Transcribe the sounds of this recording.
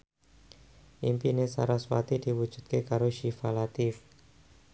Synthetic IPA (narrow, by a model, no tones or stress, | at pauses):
ʔimpinesa̰ɾaswa̰t̪id̥i̤wu̥ʒ̥ṳt̪̚kekaɾoʃifalat̪ɪf